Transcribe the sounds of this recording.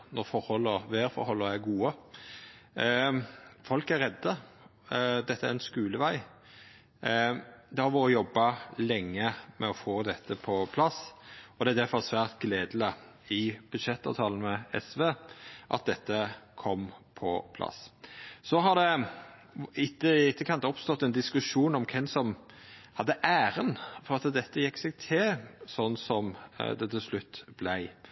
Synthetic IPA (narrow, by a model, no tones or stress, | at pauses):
nɔɾfɔɾhɔlːəʋeːɾfɔ̰ɾhɔlːəæɾɡuːə | fɔlkæɾːɛd̪ːə | d̪ɛt̪ːəæɾɛnskʉːləʋæɪ | d̪ɛhɑɾʋɑːɾəjɔbːɑlɛŋːəmʔɛɔfoːd̪ɛt̪ːəpʰɔpʰlɑsɔd̪ɛæd̪æɾfɑsʋæːʁt̪̚ɡleːd̪lə | ɪb̥ʉd̪ʃɛt̪ːɑ̰ʋt̪ʰɑːlən̩mɛɛ̰sʋeːʔɑ̰t̪̚d̪ɛt̪ːəkʰɔmːpʰɔ̰pʰlʔɑ̰ssɔɦɑd̪ɛ | ɪt̪ːəɪɪt̪ːəkʰɑnt̪əɔpst̪ɔt̪ːɛnd̪ɪskʉʂuːnɔmkʰɛnsɔm | hɑd̪ːəʔæːɾənfɔɾɑt̪d̪ɛt̪ːəjɛkːsɛɪɡ̚t̪ʰɪlsɔnːsɔmd̪ɛt̪ʰɪlʂlʉt̪ːb̥læɪ